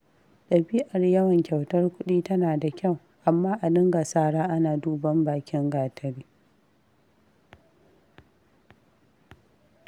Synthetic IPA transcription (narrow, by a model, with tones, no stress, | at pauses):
ɗɐ˨bi˦ʔɐ˨rjɐ˦wɐ˨ŋkʲɐ˨wtɐ˦rkʷʊ˦ɗiː˦tɐ˦naː˨da˨kʲɐ˦˨w | ʔa˨mːaː˦ʔa˨lɪ˦ŋɡa˨saː˦ɽaː˦ʔa˦naː˨duː˦bɐ˦mbaː˨kʲɪ˦ŋɡaː˨tʰɐ˦ɽiː˦